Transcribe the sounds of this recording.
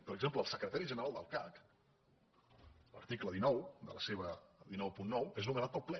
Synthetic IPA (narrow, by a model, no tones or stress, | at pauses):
pəɾəɡzemp̬ləːlˠsəkɾət̪aɾiʒənəɾalˠd̪ə̰lˠkak | lə̰ɾt̪ikləðinɔwd̪ə̰ləseβ̞əðinɔwpunːɔweznumənat̪̚pəlˠplɛ